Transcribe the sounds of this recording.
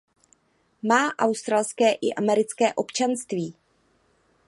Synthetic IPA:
maːʔawst̪ɾalskɛːʔɪʔamɛɾɪt͡skɛːʔo̞pt͡ʃanst̪viː

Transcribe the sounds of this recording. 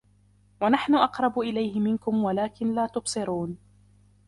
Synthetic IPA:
wanaħnʊʔɑqɾˤɑbʔɪlajhɪmɪnkʊmwalaːkɪnlaːt̪ʊbsˤɨɾuːn

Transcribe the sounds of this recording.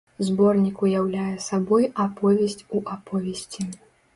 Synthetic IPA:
zbɔrnʲikujawlʲajɛsabɔjapɔvʲɛsʲt͡sʲuʔapɔvʲɛsʲt͡sʲi

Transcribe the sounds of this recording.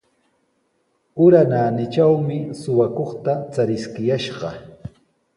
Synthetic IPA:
ʊɾanaːnɪt͡ʃawmɪsʊwakoχt̪at͡saɾɪskɪjaʃɢɑ

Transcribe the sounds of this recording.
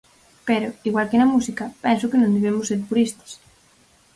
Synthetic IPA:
peɾoiɣwalkenɐmusikapɛnsʊkenõnd̪eβ̞emʊsːeɾpuɾist̪ḁs

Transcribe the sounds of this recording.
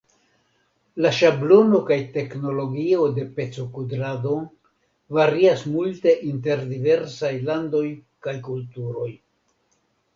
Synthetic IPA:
laʃablo̞no̞kajte̞kno̞lo̞ɡio̞de̞pe̞t͡sokudɾado̞ | vaɾiasmulte̞ʔinte̞ɾdive̞ɾsajlando̞j | kajkultuɾo̞j

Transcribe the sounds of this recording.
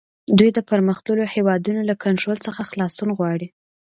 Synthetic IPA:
d̪ujd̪əpəɾməxt̪lulohewɑd̪unolakʰaɳʈɾolt͡səxaxlɑsunɣwɑɽi

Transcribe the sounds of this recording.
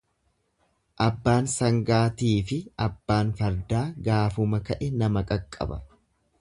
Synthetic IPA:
ʔɐbːaːnsɐŋɡaːt̪iːfɪɐbːaːnfɐɾd̪aːɡaːfʊmɐkɐʔɛnɐmɐkʼɐkʼːɐ̰bɐ̰

